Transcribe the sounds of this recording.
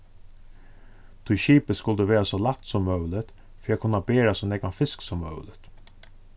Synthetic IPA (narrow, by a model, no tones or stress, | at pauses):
t̪ʰʊɕiːpəskʊld̪əʋeːɾasɔːlat̪sɔmːœʉlət̪ | fœɾjɛkʰʊnɑbeːɾasɔnɛːɡɑnfɪsksɔmːœ̰ʉlət̪